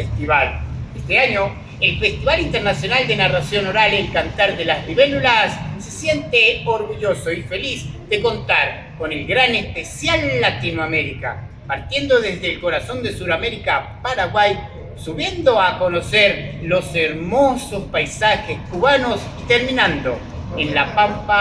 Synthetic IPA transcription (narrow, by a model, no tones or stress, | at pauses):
est̪iβalest̪eaɲo̞ | elfest̪iβalint̪eɾnasjo̞nald̪enarasjo̞noɾalelkant̪aɾðelazβiβelulasːe̞sje̞nt̪eoɾɣuʝosoife̞lizðe̞kont̪aɾ | ko̞nelɡɾanespesjalːat̪inwame̞ɾika̰ | paɾt̪je̞nd̪oðezðeːlko̞ɾaso̞nd̪e̞suɾameɾikapaɾaɣwaj | suβje̞nd̪oako̞noseɾlo̞seɾmosospajsaxeskuβanosit̪eɾminãnd̪o̞ | enlapampa